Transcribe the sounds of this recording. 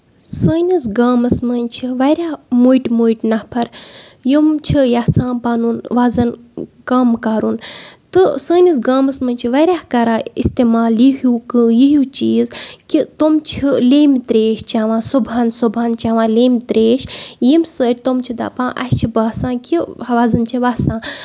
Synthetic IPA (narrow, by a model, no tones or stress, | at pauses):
səːnʲisɡaːmɐsmɐnʲt͡ʃʰiʋɐɾʲaːmuːjʈmuːjʈnɐhpʰɐɾjumt͡ʃʰijaːsãːnpaːnunʋaːzɐnkaːmkaɾunt̪ɨsəːnʲis̬ɡaːmɐsmɐnʲt͡ʃʰiʋaɾʲaːhkɐɾaːḭst̪eːmaːljiɦuːkɨːjiɦjuːt͡ʃiːzkit̪omt͡ʃʰileːmt̪ɾeːʃt͡ʃaːʋãːsubʱaːnsubʱaːnt͡ʃaːʋãːleːmʲt̪ɾeːʃjimsəːɾʲt̪omt͡ʃʰid̪a̰pãːʔɐ̰st͡ʃʰibɐːsãːkiɐʋaːzɐnt͡ʃʰiʋaːsãː